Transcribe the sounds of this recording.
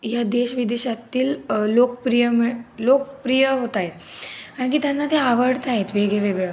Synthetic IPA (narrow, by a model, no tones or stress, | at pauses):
jad̪eɕʋid̪eɕat̪ːiːllokpɾijəmlokpɾijəɦot̪aɦet̪kaɾə̃ɳk̬it̪janːat̪eaʋəɽt̪aɦet̪ʋeɡeʋeɡɭə